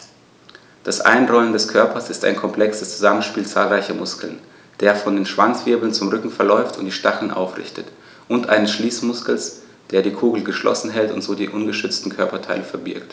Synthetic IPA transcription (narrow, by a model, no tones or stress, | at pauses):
d̥asʔa̰ɪnʁɔʏəndɛskʰœɐpʰɐsɪsta̰ɪnkʰɔmpʰl̥ɛksəst͡suzamənʃpiːlt͡saːlʁaɪçɐmʊskl̩n | d̥eːɐfɔndeːnʃv̥ant͡sv̥ɪɐbl̩nt͡sʊmʁʏkŋ̩fɛɐlɔʏftʰʊntd̥iːʃtaχl̩nʔa̰ʊfʁɪ̰çtət | ʔʊntʔaɪnəsʃliːsmʊskl̩s | d̥eːɐdiːkʰuːɡl̩ɡəʃlʔɔ̰sn̩ɦɛltʊ̰ntz̥oːdiːʔʊnɡəʃʏt͡stn̩kʰœɐpɐtʰaɪləfɛɐbɪɐkt